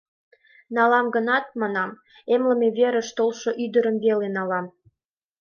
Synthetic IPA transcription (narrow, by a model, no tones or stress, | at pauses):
nɑlɑmɡənɑt̪̚mɑnɑm | emlə̆meβeɾə̆ʃt̪olʃoʔyd̪əɾəmβelenɑlɑm